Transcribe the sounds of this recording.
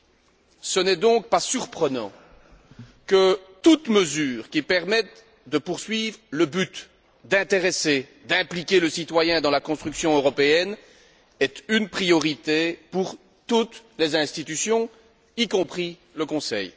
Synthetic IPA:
sənɛd̪ɔ̃k̚pasyʁpχənɑ̰̃ | kət̪ut̪məzyːʁkʲipɛʁmɛt̪̚ | d̪əpuʁsɥiːvʁləbyt̪ | d̪ɛ̃t̪eʁesed̪ɛ̃plikʲeləsit̪wajɛ̃d̪ɑ̃lakɔ̃st̪χyksjɔ̃øʁɔpeɛn | ɛt̪ynpχijɔʁit̪epuʁ | t̪ut̪lezɛ̃st̪it̪ysjɔ̃ | ikɔ̃pχi | ləkɔ̃sɛ̰j

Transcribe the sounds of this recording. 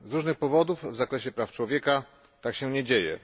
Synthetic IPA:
zɾuʐnɘxpɔvɔd̪uvvzakɾɛɕɛpɾaft͡ʂwɔvʲjɛka | t̪akɕɛɲɛd͡ʑejɛ̰

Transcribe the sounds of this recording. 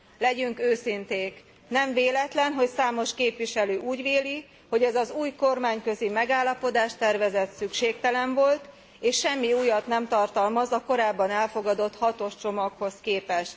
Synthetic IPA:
lɛɟyŋkøːsint̪eːk | nɛɱveːlɛt̪lɛnɦo̞csaːmo̞ʃkeːpʋiʃɛløːʔuːɟʋeːli | ho̞ɟɛzɒzuːjko̞rmaːɲkø̞zimɛɡaːlːɒpo̞d̪aːʃt̪ɛrvɛzɛt̪sykʃeːk̚t̪ɛlɛɱvo̞lt̪ | eːʃʃɛmːiuːjɒt̪nɛmt̪ɒrt̪ɒlmɒzɒko̞ɾaːbːɒnɛlfo̞ɡɒd̪o̞t̪hɒt̪o̞ʃt͡ʃo̞mɒkho̞skeːpɛʃt̪

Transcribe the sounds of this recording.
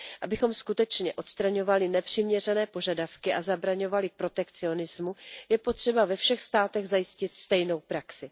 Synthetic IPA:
ʔabɪxo̞mskut̪ɛt͡ʃɲɛʔo̞t̪st̪ɾaɲo̞valɪnɛpr̝̥ɪmɲɛrɛnɛːpo̞ʒadafkɪʔazabɾaɲo̞valɪpɾo̞t̪ɛkt͡sɪo̞nɪzmujɛpo̞t̪r̝̥ɛbavɛfʃɛxst̪aːt̪ɛɣzajɪscɪt̪st̪ɛjno̞wpɾaksɪ

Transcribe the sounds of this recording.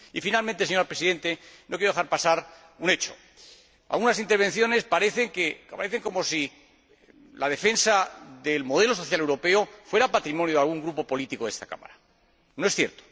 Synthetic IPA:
ifinalmẽnt̪eeɲoɾapɾe̞siðe̞nt̪e̞nokjeoaɾpasaɾ | une̞t͡ʃo̞̥̰ | a̰lɣunasint̪eɾβ̞e̞nθjo̞ne̞spaɾeθe̞ŋkekapaɾeθe̞ŋko̞mo̞si | lað̞e̞fe̞nsaðelmo̞ð̞elo̞s̬o̞θjale̞wɾo̞pe̞ofwe̞ɾapat̪ɾimonjoðalɣ̞uŋɡɾupo̞po̞lit̪iko̞ðest̪ḁka̰ma̰ɾa | noesθjeɾt̪o̥

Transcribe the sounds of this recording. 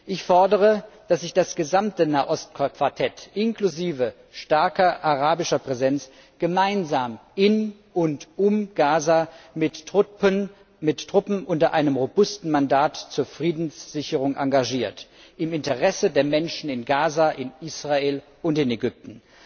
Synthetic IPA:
ʔɪçfɔɐdəʁəd̥as̬z̥ɪçd̥asɡ̥əzamtənaːʔɔstkkv̥aɐtʰɛtʔɪnkluziːvə | ʃtaɐkɐʔaʁaːbɪʃɐpʁ̥ɛzɛnt͡s | ɡ̥əmaɪnzaːmɪn | ʔʊntʔʊmɡ̥aːzaːmɪt | mɪtːʁ̥ʊpm̩ʔʊntɐʔaɪnəmʁobʊstn̩mandaːtt͡suːɐfʁ̥iːdn̩sz̥ɪçəʁ̞ʊŋʔaŋɡaʒiːɐt | ʔɪmɪntəʁɛsədeːɐmɛnʃn̩ɪnɡaːzaʔɪnʔiːsʁ̥aeːl | ʔʊntɪneɡʏp̚tn̩

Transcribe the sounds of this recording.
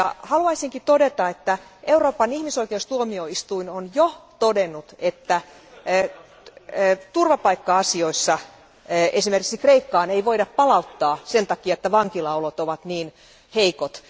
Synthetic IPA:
jɑ̰hɑluɑisiŋkit̪odet̪ɑet̪ːæʔeuroːpɑnihmisoikeust̪uomioist̪uinonjot̪odenːut̪et̪ːæ | t̪urʋɑpɑikːɑɑsioisːɑ | esimerkiksikreikːɑːneiʋoidɑppɑlɑut̪ːɑːsent̪ɑkiɑet̪ːæʋɑŋkilɑolot̪oʋɑt̪niːn | heikot̪

